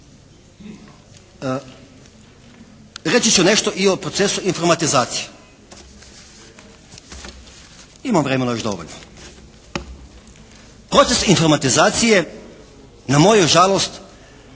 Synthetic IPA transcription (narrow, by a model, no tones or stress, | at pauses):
ɾet͡ʃit͡ʃune̞ʃt̪oʔiopɾot̪sesuinfo̞ɾmat̪izaːt̪sije | imamvɾemenajoʒd̪o̞̰ʋo̰ʎno | pɾo̞t̪sesinfoɾmat̪izaːt̪sije̞ | namo̞juʒalˠost̪